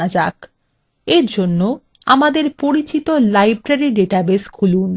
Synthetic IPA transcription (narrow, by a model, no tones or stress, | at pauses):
ad͡ʑak | eɾd͡ʑonːo | a̰mad̪eɾpoɾit͡ɕit̪olajbɾaɾiɖeʈabeskʰulun